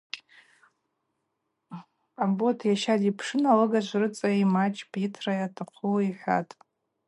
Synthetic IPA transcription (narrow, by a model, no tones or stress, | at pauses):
abotʰjaʃadipʰʂɨnalɨɡat͡ʃʷrɨt͡sʼaimat͡ʃʼpitʰrajatʰaqʰuwiħʷa̰tʼ